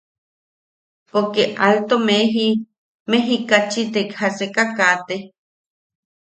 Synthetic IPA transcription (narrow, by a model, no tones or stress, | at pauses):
pokeʔalt̪omeɦi | meɦikat͡ʃit̪ekhasekakat̪e